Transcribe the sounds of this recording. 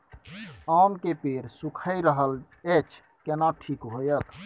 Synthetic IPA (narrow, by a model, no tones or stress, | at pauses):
amkepeɾsukʰəɾəɦəl | et͡ʃ | kenaʈʰikɦojət̪